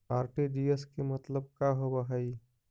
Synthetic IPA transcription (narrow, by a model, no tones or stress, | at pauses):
aːɾʈiɖieskemət̪ləb̚kaɦobaɦəi